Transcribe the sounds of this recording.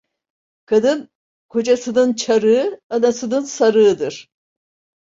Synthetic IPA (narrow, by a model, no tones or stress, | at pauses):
kʰad̪ɯn | kʰo̞d͡ʒasɯnɯnt͡ʃʰaɾɯɯanasɯnɯnsaɾɯːd̪ɯɾ̥